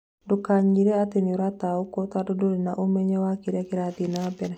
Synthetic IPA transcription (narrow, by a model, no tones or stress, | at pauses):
dokaɲiɾɛat̪eniɾat̪aokɔt̪adodoɾinaʔomɛɲɛwakiɾɛkiɾad̪inabɛɾɛ